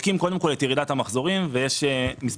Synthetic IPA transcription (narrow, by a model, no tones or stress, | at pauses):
kimko̞d̪e̞mko̞let̪jeʁid̪at̪hamaχzo̞ʁimvejeʃemis